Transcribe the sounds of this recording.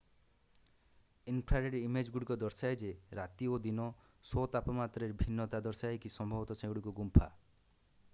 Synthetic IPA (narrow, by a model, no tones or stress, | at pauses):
inpʰɾaɾeɖimed͡ʒɡuɽikɔd̪ɔɾsajd͡ʒeɾat̪iod̪inɔ | sot̪apɔmat̪ɾeɾbʱinːɔt̪ad̪ɔɾsaekisɔmbʱɔbɔt̪ɔsʰẽɡuɽikuɡumpʰa̰